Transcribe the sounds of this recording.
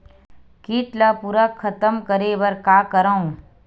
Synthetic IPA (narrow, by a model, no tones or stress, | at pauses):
kiːʈlɐpuɾəkʰːɐt̪əmkəɾeːʋɐɾkaːkəɾaũ